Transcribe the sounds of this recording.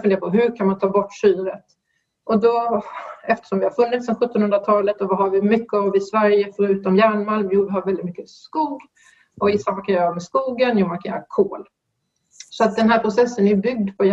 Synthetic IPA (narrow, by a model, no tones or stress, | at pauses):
fɵnd̪eːɾapʰɔɦɵɾkʰanmant̪ʰɑːbɔʈːʂyːɾət̪ | ʔɔd̪ɔ | ɛft̪ə̥ʂɔmvɪhaɾfɵnːɪt̪sɛnɧɵt̪ːɔnhɵnd̪ɾat̪ʰɑːlət̪ːɔvaɦaɾvɪmʏkːəɔvɪsvæɾjəfœɾʉ̟ːt̪ɔmjæːɳmalmjuːvɪɦaɾvɛld̪ɪt̪mʏkːəskuːɡ | ʔɔɪsamakʰanjœːɾamɛskuːɡənjuːmakʰaj̰kʰoːl | sɔat̪̚d̪ɛnɦæːɾpʰɾʊsɛsːənæɾjɵbʏɡ̚d̪pʰɔ